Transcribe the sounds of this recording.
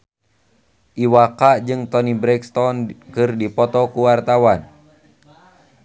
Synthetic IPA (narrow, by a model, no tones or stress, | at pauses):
ʔiwakaʔd͡ʒɨŋt̪ɔnibɾɛkst̪ɔnkɨrdipɔt̪ɔkuwart̪awan